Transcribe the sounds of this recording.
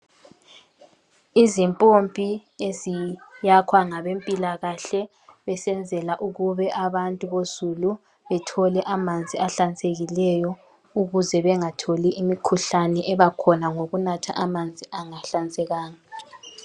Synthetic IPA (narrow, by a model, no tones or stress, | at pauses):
izimpʼompʼiezijakʰwaŋaβempʼilaɣaɬɛ | βɛsɛnd͡zʱɛlaʔuɣuβɛʔaβantʼuβozulu | βɛtʰɔlɛʔamand͡zʱiaɬant͡sʼeɣilɛjɔ | uɣuzɛβɛŋatʰoliʔimikʰuɬanɛʔɛβakʰɔnaŋoɣunatʰa̰ʔamand͡zʱiʔaŋaɬant͡sʼɛɣaːŋa